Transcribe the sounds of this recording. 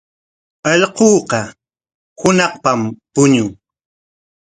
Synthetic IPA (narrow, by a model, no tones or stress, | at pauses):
ɑʎqoːqɑ | hʊnɑχpampʊɲʊŋ